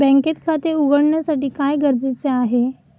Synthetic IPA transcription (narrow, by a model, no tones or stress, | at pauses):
bɛ̃ŋket̪kʰat̪euɡəɽɳjasaʈiːkajɡəɾd͡zit͡seaɦe